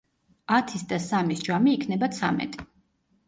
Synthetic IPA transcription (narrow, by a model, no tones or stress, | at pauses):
at̪ʰisd̪asamisd͡ʒamiːkʰnɛbat̪sʰa̰mɛ̰t̪ʼi̥